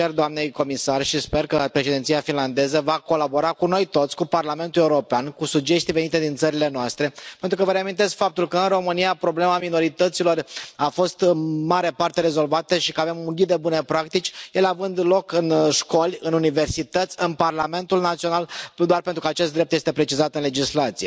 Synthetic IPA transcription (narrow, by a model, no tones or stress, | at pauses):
erd̪oamne̞jko̞misarʃispe̞rkəpɾe̞ʃed̪ent̪sijafinland̪e̞zəvako̞labo̞ɾakuno̞jt̪o̞t̪sʲkuparlame̞nt̪uleuɾo̞peankusud͡ʒe̞st̪ive̞nit̪e̞d̪int̪səɾile̞noast̪ɾe̞pe̞nt̪ɾukəvəɾeamint̪e̞skfap̚t̪ulkəɨnro̞mɨnijapɾo̞ble̞mamino̞ɾit̪ət̪silo̞rafo̞st̪ɨnmaɾepart̪e̞ɾe̞zo̞lvat̪əʃikəave̞muɡʲid̪e̞bune̞pɾak̚t̪it͡ʃʲjeleavɨnd̪lo̞kɨnʃko̞lʲɨnunive̞rsit̪ət̪sʲɨnparlame̞nt̪ulnat̪sio̞nald̪oarpent̪ɾukəat͡ʃest̪d̪ɾep̚t̪jest̪e̞pɾe̞t͡ʃizat̪ɨnle̞d͡ʒislat̪sije